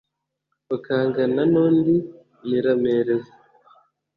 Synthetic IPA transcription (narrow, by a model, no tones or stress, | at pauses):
βakaːŋɡananoːndi | jiɾameɾeza